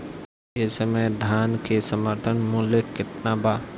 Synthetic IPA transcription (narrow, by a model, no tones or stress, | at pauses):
esəməjd̪ʱaːnkesəməɾt̪ʰənmuːljekɪt̪nabaː